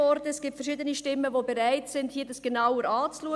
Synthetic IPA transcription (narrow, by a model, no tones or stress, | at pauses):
ɔɾd̥əɛsɡ̥iːptfɛɾʃiːdəniʃtɪmːəvoːbeɾaɪtsɪnd̥hiːdasɡ̥enaʊəɾɑːt͡sluə